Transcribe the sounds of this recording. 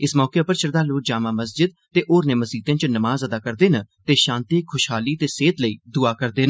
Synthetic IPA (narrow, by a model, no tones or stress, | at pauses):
ɪsmɔːkeːpəɾʃəɾd̪aːloːk̚d͡ʒaːmãːməsd͡ʒɪd̪̚ | t̪eːʔoːɾneːməsd͡ʒiːd̪ãːt͡ʃnəmaːzəd̪aːkəɾd̪eːnət̪eːʃãːnt̪iːkʰʊʃɦaːliːt̪eːseːt̪ləiːd̪ʊaːkəɾd̪eːnə